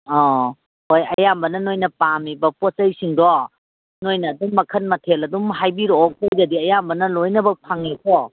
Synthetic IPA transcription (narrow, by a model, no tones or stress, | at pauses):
ɔ | hojɐjambɐnɐnojnɐpamibɐpot͡ʃɐjsiŋdɔ | nojnɐːdumːɐkʰɐnmɐtʰelɐdumɦajbiɾoɔk̚tojɡɐdiɐjambɐnɐlojnɐbɐpʰaŋekʰɔ